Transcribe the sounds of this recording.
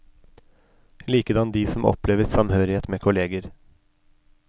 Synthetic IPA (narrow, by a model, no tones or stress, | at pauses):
liːkəd̪ɑnd̪iːsɔmʔɔ̰pleːʋəsɑmhøːɾɪheːt̪meːkʰʊleːɡəɾ